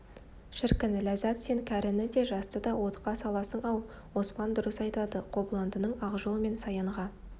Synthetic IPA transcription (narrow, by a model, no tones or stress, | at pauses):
ʃɪɾkʲɪnlæzæt̪se̞ŋkʲʰæɾɪnɪd̪e̞ʒɑst̪əd̪ɑwo̞t̪qɑsɑlˠɑsəɴɑw | wo̞spɑnd̪ʊɾəsɑjt̪ɑd̪əqʰo̞blˠɑnd̪ənəɴɑʁʒolˠme̞nsɑjəɴʁɑ